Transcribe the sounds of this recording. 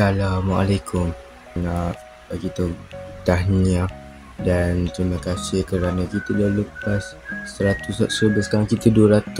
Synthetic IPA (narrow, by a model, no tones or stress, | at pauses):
salamwaʔalakʰʊm | na | akit̪ot̪aɦnĩa | dant̪ɾimə̃kasɪhkəɾanãkit̪əlaləpasːəɾat̪usasəɾəbəskaɾaŋkit̪əduəɾat̪u